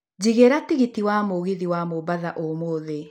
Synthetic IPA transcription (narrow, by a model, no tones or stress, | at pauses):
d͡ʑiɣeɾatiɣitiwamoɣiðiwamobaðaʔomoːðe